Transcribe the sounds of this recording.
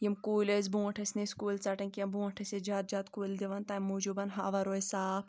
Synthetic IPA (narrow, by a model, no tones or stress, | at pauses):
jimkuːlesbũːɐʈʰɐsniskuːlt͡sɐʈɐ̃nʲkʲɐmbũːɐʈʰɐsed͡ʒaːt̪̚d͡ʒaːt̪kuːld̪iʋɐnt̪ɐːmːuːd͡ʒubɐnɦaʋɐɾoisaːp